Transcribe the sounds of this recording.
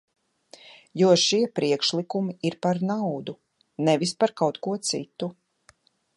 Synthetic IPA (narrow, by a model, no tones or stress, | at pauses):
juɔʃiɛpɾiɛkʃlˠikumiiɾpaɾnawd̪u | nɛvispaɾkawt̪kuɔt̪sḭt̪u